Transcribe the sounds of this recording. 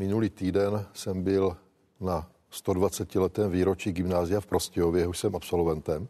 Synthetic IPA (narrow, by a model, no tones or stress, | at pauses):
mɪnuliːt̪iːdɛnsɛmbɪl | na | st̪o̞dvat͡sɛcɪlɛt̪ɛːmviːɾo̞t͡ʃiːɡɪmnaːzɪjafpɾo̞scɛjovjɛjɛɦoʃsɛmapso̞lvɛnt̪ɛm